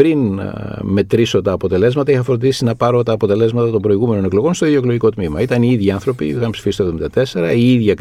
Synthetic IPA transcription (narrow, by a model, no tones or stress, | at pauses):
pɾinme̞t̪ɾiso̞t̪ɐːpo̞t̪e̞le̞zmɐt̪ɐixɐfɾo̞nd̪isinɐpɐɾo̞t̪ɐːpo̞t̪e̞le̞zmɐt̪ɐt̪o̞mbɾo̞iɣume̞no̞ne̞klo̞ɣo̞nst̪oiðjoklo̞ʝiko̞t̪mimɐit̪ɐniiðʝiɐnθɾo̞piixɐnpsi̥fist̪ovðoind̪ɐt̪e̞se̞ɾɐiiðʝɐ